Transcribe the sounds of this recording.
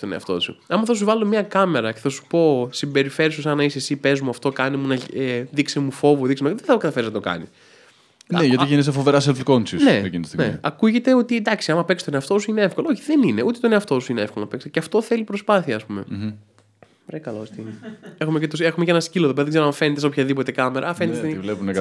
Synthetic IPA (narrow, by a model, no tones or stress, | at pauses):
t̪one̞ɐ̰ft̪o̞̰sṵɐmɐθɐs̬uvɐlo̞mɲɐkɐme̞ɾɐceθɐsu̥po̞simbe̞ɾife̞ɾisusɐnɐisesipe̞zmuɐft̪o̞kɐnimunɐeðiksemufo̞vuðiksemuðeθɐkɐt̪ɐfeɾiznɐt̪okɐ̰nis | neʝɐt̪iʝins̬efoveɾɐs̬elfkonsisneekint̪ost̪neɐkuʝe̞t̪eo̞t̪id̪ɐksiɐmɐpeksi̥t̪oneɐft̪o̞suineefkolooçiðenine̞ut̪et̪oneɐft̪o̞suineefkolonɐpekst̪ceɐft̪o̞θe̞lipɾo̞spɐθiɐːspume̞ | oɾekɐlost̪inee̞xumecet̪ose̞xumeceenɐsciloðopeɐðeɡzeɾoɐɱfe̞net̪eso̞pçɐðipo̞t̪e̞kɐmeɾʔɐɐfe̞net̪ezevlepunek